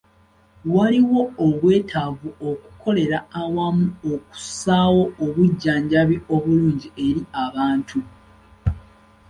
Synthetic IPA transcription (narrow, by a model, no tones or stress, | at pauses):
waliwo̞ːβwe̞ːtʰavuo̞ku̥ko̞le̞ɾaːwamuoku̥saːwo̞oβuɟːaːɲɟaβiʔo̞βuluːɲɟie̞ɾiaβaːntʰu